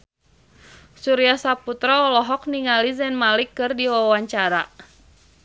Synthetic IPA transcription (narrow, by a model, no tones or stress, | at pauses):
suɾiasaput̪ɾaɔlɔɦɔk̚niŋalizɛnmalikːɨrdiwawaɲt͡ʃaɾa